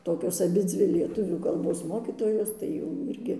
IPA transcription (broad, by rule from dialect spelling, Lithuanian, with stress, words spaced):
ˈtoːkʲoːs ɐˈbʲɪd͡zʲʋʲɪ lʲiɛˈtʊʋʲuː kɐlˠˈboːs ˈmoːkʲiːtoːjoːs tɐɪ jɛʊ ˈɪrʲɡʲɪ